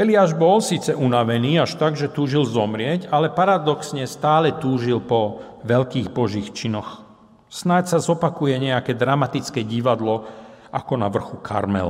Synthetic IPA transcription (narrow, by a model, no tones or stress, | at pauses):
ɛlɪaːʒbɔlsiːt͡sɛʔunaʋɛniːaʃt̪aɡʒɛt̪uːʒilzɔmɾɪɛcalɛpaɾad̪ɔksɲɛst̪aːlɛt̪uːʒilpɔ | ʋɛlkiːɣbɔʒiːxt͡ʃinɔx | snacsazɔpakujɛɲɛakɛːd̪ɾamat̪it͡skɛːɟiʋad̪lɔʔa̰kɔnaʋr̩xukʰa̰ɾmɛ̰l̰